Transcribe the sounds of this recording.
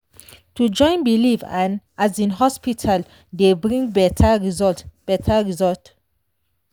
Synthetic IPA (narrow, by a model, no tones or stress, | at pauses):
tud͡ʒɔ̃ɪ̃nbilivãnʔazĩnɦɔspitʰal | debɹĩŋbɛtʰaɹizɔtb̥ɛtʰaɹizɔlt